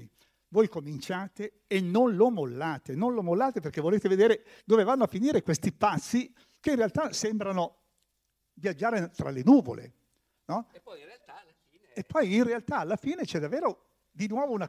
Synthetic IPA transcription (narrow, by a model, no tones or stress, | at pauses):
i | voːjkomint͡ʃaːt̪eː | nːonlomolːaːt̪enonlomolːaːt̪eperkevoleːt̪eved̪eːɾe | d̪oːvevanːoafiniːɾekwest̪ipat̪sːi | keinrealt̪asembɾano | vjad͡ʒːaːɾet̪ɾa̰lenuːvo̰lḛ | nɔ | epːɔjinrealt̪aːlːafiːnet͡ʃɛd̪avːeːɾo | d̪inwɔːvouna